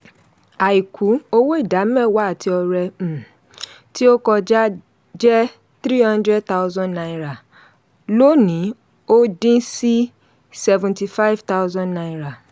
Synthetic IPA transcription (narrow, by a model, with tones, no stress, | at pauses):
a˨i˨kʰu˨˦o˦wo˦i˦˨da˨˦mɛ̃˦˨wa˨˦˨tʰi˧ɔ˧ɾɛ̃˧˨ | ti˦o˦kɔ˧d͡ʒa˦ | d͡ʒɛ˦ | t̪ɾi˦hã˦ndɾɛ˦d̚t̪a˦ʊ˦zɔ̃˦nnã˧˦ɾa˨ | lo˦nĩ˨˦ | o˦dĩ˦si˦ | sɛ˧vũ˨nti˧fa˦i˦vt̪a˦ʊzɔ̃˦nã˧ĩ˦ɾa˨